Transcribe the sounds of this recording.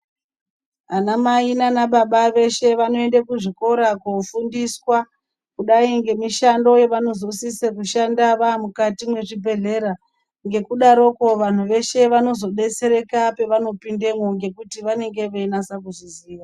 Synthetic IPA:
anamainanaɓaɓaʋe̞ʃe̞ʋano̞e̞ndakuʐiko̞ɾakofundiswa | kuɗaiŋɡe̞miʃando̞jeʋano̞zo̞sisekuʃandaʋamukatimwe̞ʐibʱe̞ɮe̞ːɾa | ŋɡe̞kuɗaɾo̞koʋan̤uʋe̞ʃe̞ʋano̞zo̞ɗe̞t͡se̞ɾe̞kape̞ʋano̞pinde̞moŋɡe̞kutiʋane̞ŋɡe̞ʋenasakuziziːʋa

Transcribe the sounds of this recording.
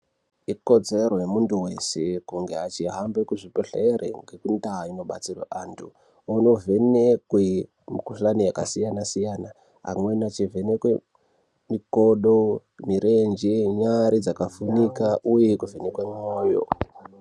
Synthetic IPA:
iko̞d͡ze̞rojemuntuwe̞se̞kuŋɡe̞at͡ʃiɦambekuʐipoɬeerʔḛŋɡe̞kundaino̞ɓa̰t͡sirwa̰ʔantʰu | uno̞ve̞nekwe | mukuɬanijakasijanasijana | ɦa̰mwenat͡ʃive̞nekwe | mikoɗo | miɾʔend͡ʒeɲaɾid͡zakafunikaʔuje̞kuve̞nekwemoːjo̰

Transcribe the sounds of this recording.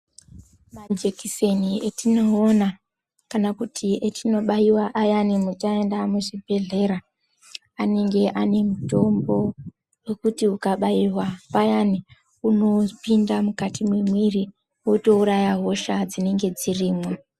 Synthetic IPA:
mad͡ʒekise̞nietʰino̞ːna | kanakutʰietʰino̞ɓaiwaʔajanimut͡ʃae̞ndamuʐibʱe̞ɮe̞ɾa | ane̞ŋɡe̞ʔane̞muto̞mbo̞ | wekutiukaɓaiwapajani | uno̞pindamukatʰimwimwiri | woto̞uɾajaɦo̞ʃad͡zine̞ŋɡe̞d͡ziriːmweo

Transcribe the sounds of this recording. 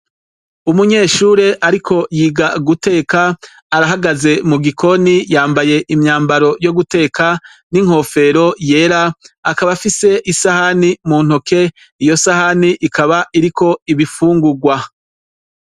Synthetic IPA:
umuɲe̞ːʃuːɾe̞ʔaɾikʰo̞jiːɡaɡute̞ːkaː | ɾaɦaɡaze̞muɡikʰo̞nijaːmbaje̞ʔimɲaːmbaɾo̞jo̞ɡute̞ːkʰa | niŋ̥ho̞fe̞ɾo̞je̞ːɾaːkaβafise̞ʔisahanimuːn̥hoke̞ | ijo̞sahaniʔikaβaʔiɾikʰo̞iβifuːŋɡuɡwa

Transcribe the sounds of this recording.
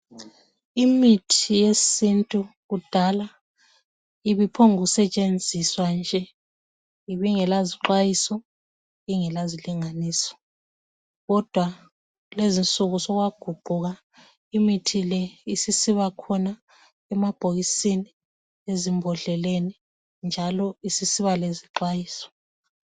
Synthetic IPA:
imitʰijesintʼuɣud̥ʱala | iβipʰɔŋuusɛt͡ʃʼend͡zʱiswand͡ʒʱɛ | iβiŋɛlaziǁwajisɔ | iŋɛlaziliŋaniːsɔ̥ | ɣɔd̥ʱwa | lezint͡sʼuɣusɔɣwaɡ̥ʱuɡ͡ǃʱuɣa | imitʰilɛisisiβakʰɔna | ɛmab̥ʱoɣisini | ezimbʱɔɮɛleni | nd͡ʒʱalɔisisiβaleziǃwajiːsɔ̥

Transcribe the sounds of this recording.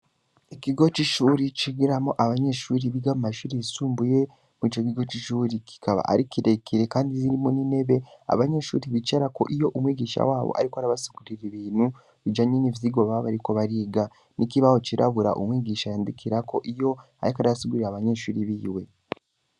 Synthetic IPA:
ekiɡo̞t͡ʃiʃuːɾit͡ʃiɡiɾamoʔaβaɲeʃuːɾiβiɡamumaʃuːɾiisuːmbuje̞ | muit͡ʃok̬iɡo̞t͡ʃiʃuːɾikʰi̥kʰaβa̰ʔa̰ɾikiɾe̞kiɾe̞kaːndiziɾimonine̞βe̞a̰βaɲeʃṵːɾiβit͡ʃeɾako̰ʔijo̞ʔumwiːɡiːʃa̰waːβo̰ʔa̰ɾikoaɾaβasi̥kuɾiɾiβiːn̥hu | βid͡ʒaɲenivjiɡoβaβaɾiko̞βaɾiːɡa | nikiβaho̞t͡ʃiɾʔa̰βuɾa̰ʔṵmwiːɡiːʃajaːndikʰiɾako̞ʔijo̞ | a̰ɾikaɾaβasiɡuɾiɾaβaɲe̞ʃuːɾiβiːwe̞

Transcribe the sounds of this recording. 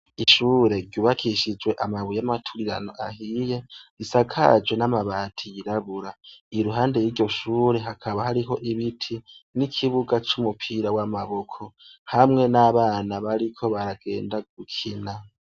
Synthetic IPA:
iʃuːɾe̞ɾɟuβakʰiʃid͡ʒwe̞ʔamaβujamatʰuɾiɾa̰no̞ʔahiːje̞ɾisakʰa̰d͡ʒwe̞namaβaːtʰijiɾaβuɾaiɾuɦaːnde̞jiːɟo̞ʃuːɾe̞ɦakʰaβahaɾiɦo̞ʔiβitʰinikʰiβuɡat͡ʃumupʰiːɾawamaβo̞kʰo̞hamŋe̞naβaːnaβaɾikʰo̞βaɾaɡ̥e̞̰ːndaɡ̥̚ukʰina

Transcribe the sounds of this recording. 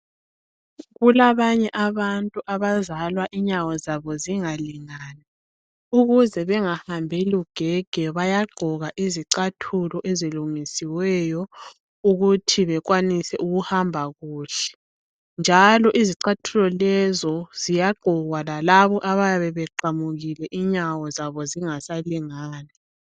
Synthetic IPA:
ɣulaβaɲɛʔaβantʼuʔaβazalwaʔiɲawɔzaβɔziŋaliŋaːna | uɣuzɛβɛŋahambʱɛluɡ̥ʱɛɡ̥ʱɛβajaɡ͡ǃʱɔɣaʔiziǀatʰulɔʔeziluŋisiwɛjɔ | uɣutʰiβɛɣwanisɛʔuɣuhambʱaɣuːɬɛ̥ | nd͡ʒʱalɔʔiziǀatʰulɔlɛzɔzijaɡ͡ǃʱɔɣwalalaβɔʔaβajaβɛβɛǃamuɣilɛʔiɲawɔzaβɔziŋasaliŋaːna

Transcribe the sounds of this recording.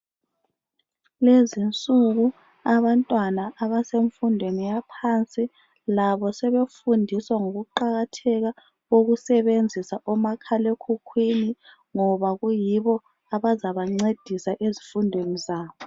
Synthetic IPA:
lezint͡sʼuɣu | aβantʼwanaʔːβaseɱfundʱwenijapʰant͡sʼi | laβɔsɛβefundʱiswaŋoɣuǃaɣatʰɛɣa | oɣusɛβend͡zʱisaʔɔmakʰalekʰukʰwini | ŋɔβaɣujiβɔ | aβazaβaŋ͡ǀed̥ʱisaʔezifundʱwenizaːβɔ

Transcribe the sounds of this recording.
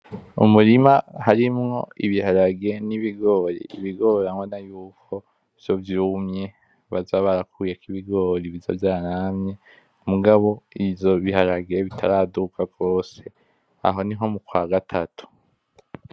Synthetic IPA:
ṵmuɾimahaɾimŋo̞̰iβihaɾaɡe̞niβiɡo̞ːɾḭːβiɡo̞ɾamwenajuːkʰo̞ | vjo̞vjuːmɲe̞ | βazaːβaɾakuːjekiβiɡo̞ɾiβivjo̰vjaːɾamɲe̞ | muɡaβo̞ivjo̞βihaɾaɡeβitʰaɾaːdukaɡɡo̞ːse̞ | a̰ɦo̞niɦo̞mukwaɡatʰatʰu̥

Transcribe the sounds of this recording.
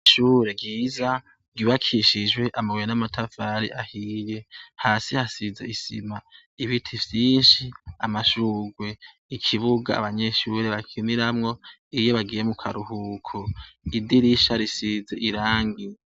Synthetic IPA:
ʃuːɾe̞ɡiːza | ɡiβakʰiʃid͡ʒwe̞ʔamaɡweenamatʰavaɾḭʔahiːje̞haːsihasizeisḭma | iβitʰivjiːnʃiamaʃuːɡwe̞ | ikʰiβuɡa̰a̰βaɲeʃuɾe̞βakʰiniɾamŋo̞ | ijo̞βaɡiːjemukʰaɾuhukʰoidiɾiʃaɾisizeʔiɾaːŋɡi

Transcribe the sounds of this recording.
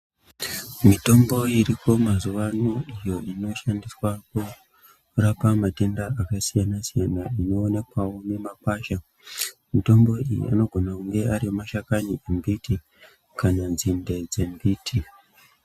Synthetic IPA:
mito̞mbo̞iriko̞mazuʋanuijo̞ino̞ʃandiswaku | rapamate̞ndaakasijanasijanaino̞ːne̞kwawone̞makwaːʃa | mito̞mbo̞ijḭʔa̰no̞ɡʱo̞nakuŋɡe̞aɾimaʃakaniʔembiti | kananzinde̞d͡ze̞mbiːtʰi

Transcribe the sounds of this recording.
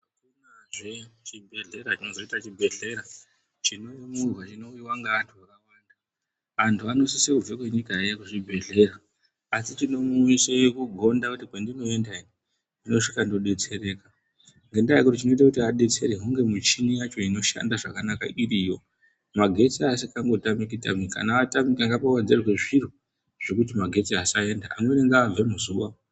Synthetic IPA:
akunaʐet͡ʃibʱe̞ɮe̞ɾat͡ʃino̞zo̞itat͡ʃibʱe̞ɮe̞ɾa | t͡ʃino̞murwat͡ʃino̞uiwaŋɡaʋantʰuʋakawaːnda | ʋantʰuano̞sisekuvekwe̞ɲikaejakuʐibʱe̞ɮe̞ɾaː | sit͡ʃino̞muisejekuɡʱo̞ndakutikwendino̞endaii | ndino̞ʂikandoɗe̞t͡se̞ɾe̞ːka | ŋɡendaakutit͡ʃino̞itakutiaɗe̞t͡se̞ɾeɦuŋɡe̞mut͡ʃinijat͡ʃo̞ino̞ʃa̰ndaʐakanaka̰irijo̞ | maɡʱe̞t͡siasikaŋɡo̞tamik̬ita̰mika̰naatamikaŋɡapawad͡zerwe̞ʐiru | ʐ̥e̞kut̬imaɡʱe̞t͡siasae̞ndaamweneŋɡaːb͡vemuzuʋa

